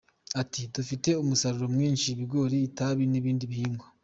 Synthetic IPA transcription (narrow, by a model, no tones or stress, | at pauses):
atidufite̞umusaɾuɾomŋiːnʃiβiɡo̞ːɾiːtaβiniβiːndiβiiːmɡo